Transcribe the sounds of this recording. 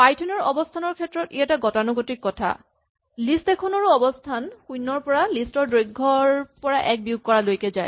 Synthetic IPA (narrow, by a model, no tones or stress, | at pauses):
pajtʰɔnɔɹɔbɔstʰanɔɹkʰɛtɹɔtiɛtaɡɔtanuɡotikːɔtʰa̰ | listɛkʰɔnɔɹuɔbɔstʰanxujnːɔɹpɔɹalistɔɹdojɡʱɔɹpɔɹaʔɛk̚bijuɡ̚kɔɹalojkɛzaj